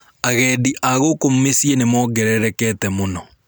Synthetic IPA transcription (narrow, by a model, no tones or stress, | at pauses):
aɣɛdiʔaɣokommesienemɔɡɛɾɛɾɛkɛtɛmonɔ